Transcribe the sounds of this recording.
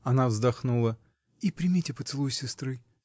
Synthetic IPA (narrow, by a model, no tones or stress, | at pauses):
ɐnavzd̪ɐxnulˠə | ipɾʲɪmʲitʲɪpət̪sɨlˠujsʲɪst̪ɾɨ